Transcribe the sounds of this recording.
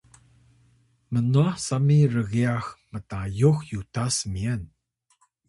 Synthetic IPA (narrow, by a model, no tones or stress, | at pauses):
mənuasamirəɣiaxmətajuxjutasmiən